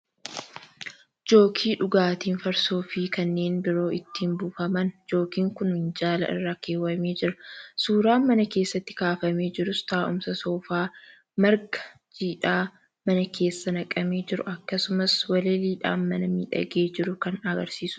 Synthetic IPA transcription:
d͡ʒo̞ːkʰiːᶑʊɡaːt̪iːnfɐɾsoːfiːkɐnːe̞ːnbɪɾo̞ːʔɪt̪ːiːnbʊfɐmɐnd͡ʒo̞ːkiːŋkʊnhɪnd͡ʒaːlɐ̰ʔɪ̰rːaːkeːwɐme̞ːd͡ʒɪɾɐsuːɾaːnmɐnɐke̞ːsːɐt̪ːɪ̥kaːfɐme̞ːd͡ʒɪɾʊst̪aːʔʊ̰msɐsoːfaː | mɐɾɡɐ̥ | d͡ʒiːᶑaː | mɐnɐkʰe̞ːsːɐnɐkʼɐme̞ːd͡ʒɪɾʊ̰ɐkːɐsʊmɐswɐleːliːᶑa̰ːnmɐnɐmḭːᶑɐ̰ɡeːd͡ʒɪɾʊkɐnɐɡɐɾsiːsʊ

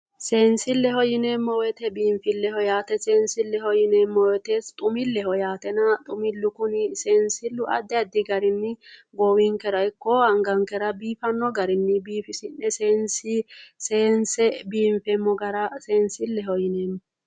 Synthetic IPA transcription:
se̞ːnsɪlːɛhɔjɪneːmːɔwɛt̪ɛbiːɱfɪlːɛhɔjaːt̪ɛseːnsɪlːɛhɔjɪneːmːɔwɛt̪e̞ːst̪ʼʊmɪlːɛhɔjaːt̪ɛnɐt̪ʼʊmɪlːʊkʊnɪse̞ːnsɪlːʊʔɐ̰d̪ːɛɐd̪ɪɡɐɾɪnːɪɡɔwɪŋkɛɾɐɪkːɔɐŋɡɐŋkɛɾɐbiːfɐnːɔɡɐɾɪnːɪbiːfɪsɪnːɛseːnsɪseːnsɛbiːmfɛmːɔɡɐɾɐse̞ːnsɪlːɛhɔjɪneːmːɔ

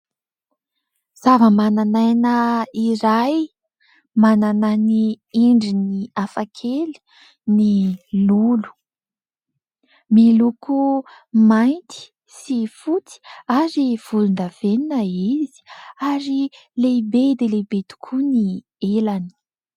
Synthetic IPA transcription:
z̥avəmananajnəiɾaj | mananani | eɳɖ͡ʐiniafakʰel̥ | nilulu̥ | meluku | majnt̪i̥ | sifut͡si̥aɾiv̥ulund̪av̥eninəizi̥aɾi | lebed̪elebet̪u̥kʰuni | elani̥

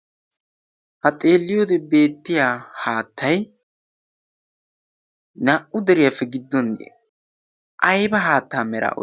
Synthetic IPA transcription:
hɐt̪ʼe̞ːlːɪjoːd̪ɛbe̞ːt̪ːɪjaːhaːt̪ʰːɐj | nɐʔʊd̪ɛɾɪjɐfːɛɡɪd̪ːɔnɡ̪ḛ | ʔɐjbɐɦaːt̪ːaːmɛɾa̰ːʔɔ̰

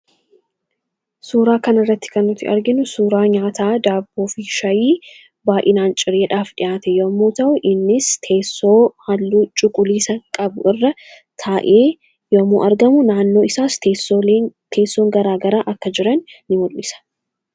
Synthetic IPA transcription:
suːɾaːkɐnɪrːɐt̪ːɪ̥kɐnːʊt̪ːɪ̰ʔɐɾɡɪnʊsuːɾaːɲaːt̪aːd̪aːbːoːfiʃɐjiː | baːʔɪnaːnt͡ʃʼɪɾeːᶑaːfɗɪʔaːt̪ɛjoːmːuːt̪ɐʔʊʔɪnːɪst̪ʰeːsoːhɐlːuːt͡ʃʼʊkʼʊliːsɐkʼɐbʊʔɪrːɐ | t̪ʰaːʔeː | joːmṵʔɐɾɡɐmʊnaːnːo̞ːɪsaːsseːt̪ʰe̞ːsːoːŋɡɐɾaːɡɐɾaːʔɐkːɐd͡ʒɪɾɐnːɪmɔlmɪsɐ̥

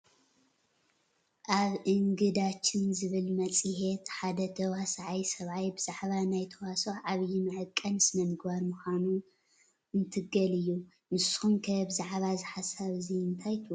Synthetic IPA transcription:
ʔaβʔɨŋɡɨd̪at͡ʃʰːɪnzɨβɨlmɐt͡sʼɨhet̪ħad̪ɐt̪ʰɐwasaʕajsɐβʕajbɨz̥aʕβanajt̪ʰɐwasoaβjɛnɨʕɨkʼːɐnɨsmɐnɡɨβaɾmuxʷanu | ɨnt̪ʰɨɡɐlɨjːu | mɨsxumkʰɐbɨzaʕβazɨħasaβziɨnt̪ʰajt̪ʰɨ

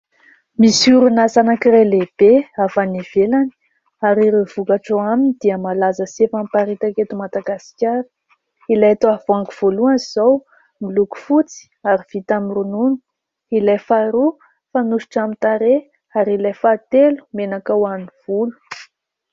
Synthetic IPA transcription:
misuɾunazanakiɾeleb̥eafaniv̥elani̥ | aɾiɾev̥ukaʈ͡ʂoaminid̪iəmalazəsefampaɾit̪aket̪umad̪aɡasi̥kʲjaɾi̥ | ilajat̪oav̥oaŋkuv̥oluanzow | miluku̥fut͡si̥aɾiv̥it̪amirununi̥ | ilejfaɾu | fanuʃi̥ʈ͡ʂamit̪aɾe | aɾilajfat̪elu̥menakawaniv̥ulu̥

